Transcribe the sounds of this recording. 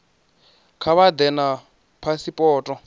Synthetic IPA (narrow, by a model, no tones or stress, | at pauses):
kʰaβad̪ɛna | pʰasipʼɔːtʼɔ